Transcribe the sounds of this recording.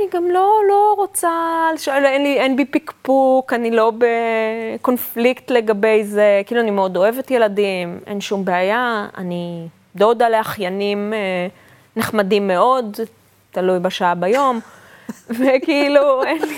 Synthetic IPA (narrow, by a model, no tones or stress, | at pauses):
aniɡamlo̞lo̞ʁot͡saleʃoelenlienbipikpukanilo̞beko̞nfliktle̞ɡabe̞jzekiiluanimeo̞do̞e̞vetjeladimʔe̞̰nʃumbeajaa̰ni | d̪od̪aleaχjanime | neχmadimːe̞o̞d | talujbaʃaabajo̞m | vekiiluen